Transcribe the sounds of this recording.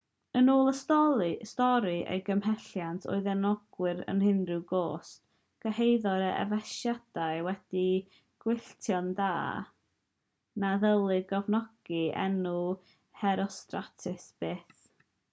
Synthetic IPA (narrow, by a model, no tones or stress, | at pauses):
ənuːlˠəstɔstɔɾiʔḛjɡəmhɛɬjantʰo̰ɨðɛnɔɡ̥wɪɾə̰nhɪnrɪwɡoːs | ɡ̥əhejðɔɾəʔɛ̰vɛʃjad̥aɨwɛd̥i | ɡ̥wɪɬtʰjɔnda̰ː | naðəlˠɨɡɔvnɔɡ̥iɛ̰nu | hɛɾɔstratʰɪsb̥eːθ